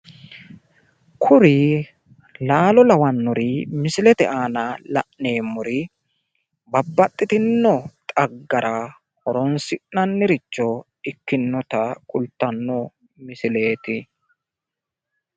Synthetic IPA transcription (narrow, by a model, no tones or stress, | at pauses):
kʰʊɾɪ | laːlɔlɐwɐnːʊɾɪmɪsɪlɛt̪ɛʔaːnɐlɐ̰ʔne̞ːmːʊɾɪ | bɐbːɐt̪ʼːɪt̪ɪnːɔt̪ʼɐɡːɐɾɐ | hɔɾɔnsɪʔnɐnːɪɾɪt͡ʃːɔ | ɪkːɪnːɔt̪ɐkʼʊlt̪ːɐnːɔ | mɪsɪle̞ːt̪ɪ